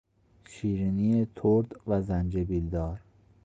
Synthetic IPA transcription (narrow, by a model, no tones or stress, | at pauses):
ʃiːɾinijet̪ʰoɾd̪væzænd͡ʒebild̪ɒːɾ